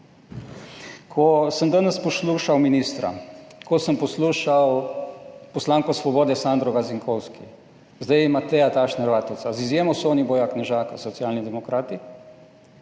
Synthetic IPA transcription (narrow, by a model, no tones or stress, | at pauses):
kʰɔsəmd̪anəspɔsluːʃawminist̪ɾa̰kɔsəmpɔsluːʃaw | pɔslaːŋkɔsʋɔboːd̪ɛsand̪ɾɔɡaziŋkʰɔwski | zd̪ajɛmat̪ɛjat̪aʃnɛɾʋaːt̪owt̪sazizjeːmɔsoːnibɔjaknɛʒaːkasɔt̪sijaːlnid̪ɛmɔkɾaːt̪i